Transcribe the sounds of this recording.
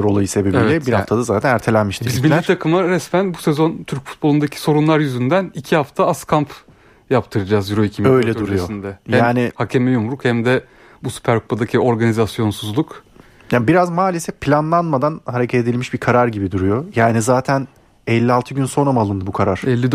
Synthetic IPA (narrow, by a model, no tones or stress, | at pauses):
ɾo̞lˠajɯse̞bebilʲɛbiɾhaft̪ʰad̪azaːt̪ʰænæɾt̪ʰe̞lʲænmiʃt̪ʰibizbinlʲːææiɾt̪ʰakʰɯmaɾɛsmænbusezo̞nt̪ʰyɾc̚fu̥t̪̚bo̞lˠund̪acʰi̥so̞ɾunlˠaɾjyzynd̪ænicʰihaft̪ʰaaskʰamp | japt̪ʰɯɾɯd͡ʒazjyɾoicʰimø̞jlʲɛd̪uɾujo̞nd̪ɛjaːnihacʰemɛjumɾukhɛmd̪ɛ | busy̥pʰæɾkʰu̥pʰad̪acʰio̞ɾɡanizasjo̞nsuzlˠuk | jabiɾazmaːlʲesɛfpʰlʲanlˠanmad̪anhaɾe̞cʰɛt̪ed̪ilʲmiʃbiɾkʰaɾaɾɟibid̪uɾujo̞jaːnizaːt̪ʰæn | ɛlʲːialˠt̪ʰɯɟynso̞namalˠɯnd̪ɯbukʰaɾaɾ̥ɛlʲːi